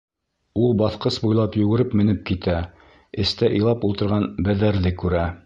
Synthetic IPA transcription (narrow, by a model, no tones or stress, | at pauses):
ulˠbɑθqɤsbujlˠɑpjʉɡɘ̆ɾɘpmɘ̆nɘp̚kit̪æ | ɘ̆st̪æʔŏjlˠɑpulˠt̪ɤ̆ɾʁɑnbæðæɾðɘkʉɾæ